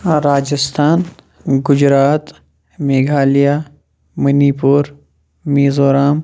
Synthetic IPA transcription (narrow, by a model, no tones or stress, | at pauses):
ɾaːd͡ʒɪst̪ʰaːn | ɡʊd͡ʒɾaːt̪ | meːɡʱaːlija | mɐnipuːɾ | meːzoːɾaːm